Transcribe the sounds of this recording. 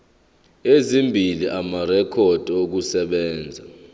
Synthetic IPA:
ezimbʱiliʔamarɛkʰɔd̥ʱok̬usɛɓɛːnd͡zʱa

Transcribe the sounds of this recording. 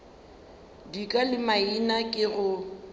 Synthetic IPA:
dikʼalɪmainakʼɪɣʊ

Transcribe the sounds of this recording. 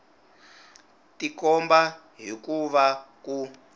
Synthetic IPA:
tikɔmba | ɦikuʋaku

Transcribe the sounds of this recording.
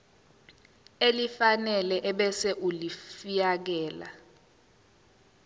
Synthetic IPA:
elifanɛlɛʔɛɓɛsɛʔulifijak̬ɛːla̰

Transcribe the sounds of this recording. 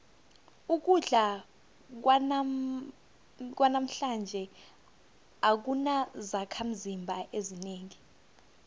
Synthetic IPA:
uk̬uɮa | k̬wa | k̬wanam̩ɬand͡ʒʱɛ | ak̬unazakʰam̩zimbʱaʔezineːŋi

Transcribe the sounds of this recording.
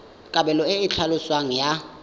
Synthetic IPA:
kʼabɛlɔɪɪt͡ɬʰalʊswaŋ̩ja

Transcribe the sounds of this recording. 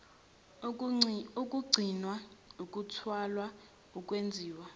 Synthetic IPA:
uk̬ʼuɡ͡ǀʱinwauk̬ʼutʰwalwa | uk̬ʼwend͡zʱiːwa

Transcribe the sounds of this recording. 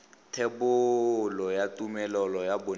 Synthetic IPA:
tʰebʊlɔjatʼumɛlɔlɔjabʊ

